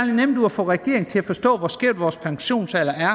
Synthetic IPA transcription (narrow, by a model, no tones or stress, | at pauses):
linem̰nd̥uæfɔ̰ːʁɛɡ̥e̝ɐ̰e̝ŋ̩t͡sʰe̝læfɒ̽sd̥ɔ̰̽ːʋɒsɡ̥eɐ̰d̥ʋɒːspʰɑ̈ŋɕo̝̰ːnsɛlɐæɐ